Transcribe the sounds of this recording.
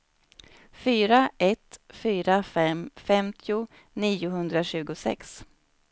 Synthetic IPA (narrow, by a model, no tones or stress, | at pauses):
fyːɾaʔɛt̪fyːɾafɛmfɛmt̪ʰɪʊ | niːʊɦɵnd̪ɾaɕʉ̟ːɡʊsɛ̰ks